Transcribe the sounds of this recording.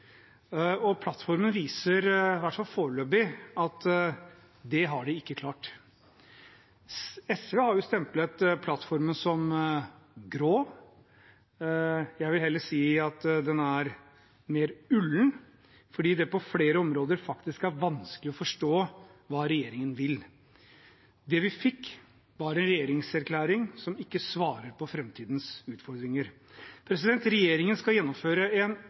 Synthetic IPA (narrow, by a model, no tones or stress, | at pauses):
ɔpʰlɑt̪ːfɔɾmənʋiːsəɾʋæʈfɑlfoːɾɭøːbɪɑt̪ː | d̪ɛɦɑɖɪɪkːəkʰlɑːʈ | ɛsʋeːhɑɾjʊst̪ɛmplət̪pʰlɑt̪ːfɔɾmənsɔm | ɡɾoː | jæɪʋɪlhɛlːəɾsiːɑt̪d̪ɛnæɾ | meːɾʉlːn | fɔɖiːd̪ɛpɔfleːɾəɔmɾoːd̪əɾfɑkt̪ɪskæɾʋɑnsklɪɔfɔʂʈoːʋɑːɾɛjeːɾɪŋənʋɪl | d̪ɛʋɪfɪkː | ʋɑɾɛnɾɛjeːɾɪŋsæɾkʰlæːɾɪŋsɔmɪkːəsʋɑːɾəɾpʰɔfɾɛmt̪ʰiːd̪n̩sʉːt̪fɔɾd̪ɾɪŋəɾ | pʰɾɛs̬ɪd̪ɛnt̪ɾɛjeːɾɪŋənskɑljɛnːɔmføːɾəɛn